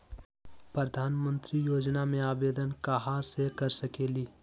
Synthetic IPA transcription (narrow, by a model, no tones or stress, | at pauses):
pɾəd̪ʱaːnmə̃nt̪ɾijoːd͡ʒnamẽaːbeːd̪ənkaɦasekɐɾsɐkeːliː